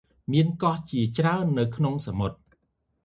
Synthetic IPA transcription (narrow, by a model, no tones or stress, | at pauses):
miənkɑht͡ɕiət͡ɕraənːɨwkʰnoŋsamot̪̚